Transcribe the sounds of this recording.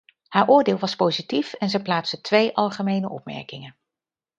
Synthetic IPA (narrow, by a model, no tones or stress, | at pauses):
haːɹʔʊːɹdɪːlˠʋɑspowzitifɛnzɛjplaːtstətʋejʔɑlˠχəmejnəʔɔ̰p̚mɛ̰ɹkɪŋən